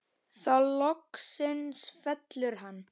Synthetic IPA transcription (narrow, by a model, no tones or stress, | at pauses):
θawlɔksɪnsfɛt̪lʏɾ̥ɦanː